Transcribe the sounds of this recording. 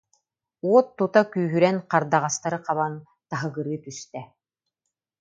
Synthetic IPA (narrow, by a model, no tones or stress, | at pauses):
uɔt̪ːut̪akyːɦyɾɛnqaɾd̪aʁast̪aɾɯqaβan | t̪aɦɯɡɯɾɯːt̪yst̪ɛ